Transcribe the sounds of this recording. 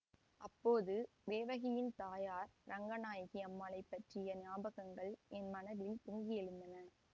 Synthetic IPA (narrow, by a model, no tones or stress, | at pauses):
ʔɐpːoːðɯ | ʋeːʋɐɣɪjɪnt̪aːjaːɾɾʔɐŋɡɐnaːjɐɣɪɐmːaːlɐɪpːɐʈrɪjɐnaːbɐɣɐŋɡɐɭʔɛnmɐnɐðɪlpʊŋɡɪjɛɻɯnd̪ɐnɐ